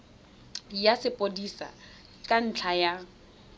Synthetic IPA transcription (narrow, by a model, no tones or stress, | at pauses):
jasɪpʼodisa̰ | kʼan̩t͡ɬʰaja